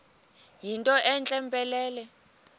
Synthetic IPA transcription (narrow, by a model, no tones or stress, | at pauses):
jintʼɔʔɛnt͡ɬʼɛmpʼɛlɛːlɛ